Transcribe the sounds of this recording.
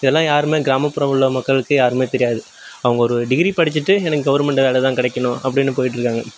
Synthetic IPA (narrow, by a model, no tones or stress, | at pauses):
ɪðɛlːãːjaːɾɯmeːɡɪɾaːmɐpːʊɾɐʋɐɭːɐmɐkːɐɭɯkːɯjaːɾɯmeːt̪ɛɾɪjaːðɯ | ɐʋɐŋɡɐɔɾɯɖɪɡɪɾipɐɽɪt͡ʃːɯʈːɯɛnɐkːɯɡɐʋɐɾmɛɳʈʋeːlɛt̪ãːkɪɽɐkːɐɳʊ̃ɐpːɐɽɪnːɯpoːjɪʈːɪɾɯkːaːŋɡɐ